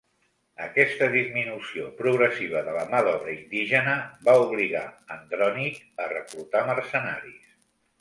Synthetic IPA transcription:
əkɛst̪əðizminusiopɾuɣɾəsiβ̞əðələmaðɔβɾəind̪iʒənəbauβ̞liɣa̰ənd̪ɾɔnik | ərəklut̪aməɾsəna̰ɾis

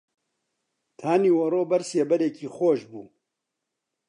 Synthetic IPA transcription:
t̪ʰaːniːwɐroːbɐɾseːbɐɾeːkiːxoːʃbuː

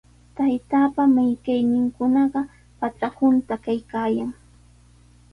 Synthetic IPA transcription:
t̪ajt̪aːpamɪjkajnɪŋkʊnɑɢɑ | pat͡sahʊnt̪akajkaːjaŋ

